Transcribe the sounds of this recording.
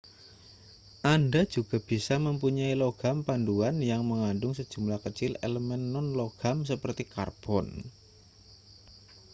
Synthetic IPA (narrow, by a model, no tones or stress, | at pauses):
ʔandḁd͡ʒ̥uɡ̥a̤b̥isaməmpuɲailoɡ̥ampanduanjaŋməŋandʊŋsəd̥ʒ̥ṳmlahkət͡ʃɪlḛləmɛnːɔnloɡ̥amsəpərt̪ika̰rb̥ɔn